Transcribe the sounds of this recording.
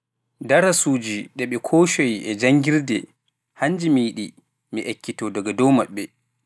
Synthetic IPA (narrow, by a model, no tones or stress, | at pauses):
daɾasuːd͡ʒiɗɛɓɛkʰoːʃojʔɛd͡ʒaŋɡiɾdɛ | haɲd͡ʒimijiɗi | miʔakːitɔdɔɡɔdɔwmaɓːɛ